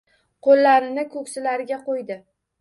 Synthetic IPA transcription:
qʰolːaɾɪnɪkʰɵkʲsɪlaɾɪɡʲaqojd̪ɪ

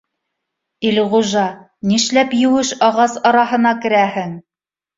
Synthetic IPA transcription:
ilʁuʒɑ | niʃlæpjɘ̆wɘʃɑʁɑsɑɾɑɦɤ̆nɑkɘ̆ɾæhɘŋ

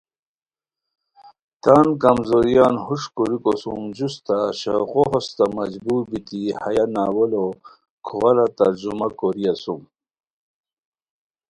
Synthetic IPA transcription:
t̪aːnkɐmzoɾijaːnhuʂkuɾikosumd͡ʑust̪aɕɐ̰ɣoɦost̪amɐd͡ʑbuːɾbit̪ihajanaːwɐlo | kʰowɐlat̪ɐɾd͡ʑumakoɾiasum

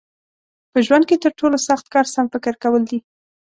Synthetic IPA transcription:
pəʒwand̪̚ket̪əɾʈolosaxt̪̚kɑɾsamfɪkɪɾkawəld̪i

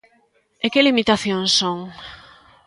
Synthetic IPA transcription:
ekɪlimit̪aθjõŋsoŋ

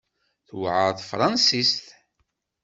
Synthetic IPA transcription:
θwʕəɾðfɾˤɑnsist̪

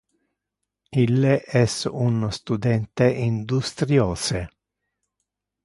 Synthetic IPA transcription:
ilːeʔɛsunst̪ud̪ɛnt̪eʔind̪ust̪ɾjɔːse

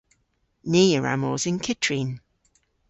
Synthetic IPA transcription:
niːəɹa̰moːzɪnkʰɪtʰɹin

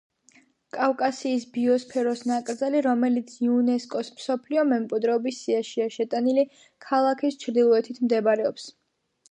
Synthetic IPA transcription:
kʼafkʼasiːsbiɔspʰɛɾɔsnakʼɾd̪zaliɾɔmɛlit̪sʰiunɛskʼɔsmsɔpʰliɔmɛmkʼwid̪ɾɛɔbisːiaʃiaʃɛt̪ʼanili | kʰalˠakʰist͡ʃʰɾd̪ilˠɔɛt̪ʰit̪ʰmd̪ɛbɾɛɔps

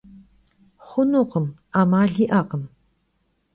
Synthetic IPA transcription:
χʷʊnʊqəm | amaːɮiʔaqəm

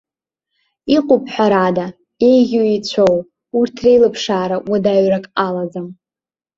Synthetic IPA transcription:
iqʼʊpʰʼħʷaɾada | ejɣʲuit͡ɕʷʰow | urtʰrejlɨpʰʂaːɾawadaɥrakʼalazɨm

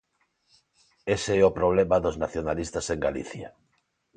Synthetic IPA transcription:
eseɛopɾoβ̞lemaðoznaθjonalist̪aseŋɡalḭθja

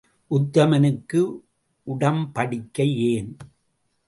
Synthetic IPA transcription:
ʔʊt̪ːɐmɐnɯkːɯ | ʔʊɽɐmpɐɽɪkːɐjeːn

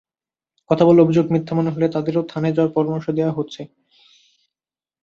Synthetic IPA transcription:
kɔt̪ʰaboleobʱid͡ʑoɡ̚mɾit̪ʰːamoneɦolet̪ad̪eɾot̪ʰaned͡ʑawaɾpɔɾomoɾʃod̪eoaɦotːɕʰe

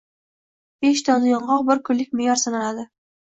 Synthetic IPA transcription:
b̥eʃt̪ʰɒnɪjɒɴʁɒq̚bɪɾkʰʊllːɪkʲmɪjɒɾsanaad̪ɪ

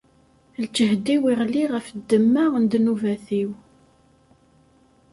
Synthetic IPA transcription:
lt͡ʃːəɦd̪iwiʁliʁəfd̪ːəmːaənd̪nuvæθiw

